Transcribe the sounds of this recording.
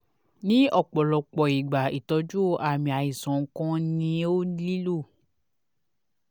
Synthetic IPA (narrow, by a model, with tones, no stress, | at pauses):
nĩ˦ɔ˦˨k͡pɔ˨lɔ˨k͡pɔ˨i˨ɡ͡ba˨i˨tɔ˨˧˦d͡ʒu˦˨a˨mĩ˨a˨i˨sɔ̃˨ŋ̩˦kã˦nĩ˧˦o˦li˦lo˦˨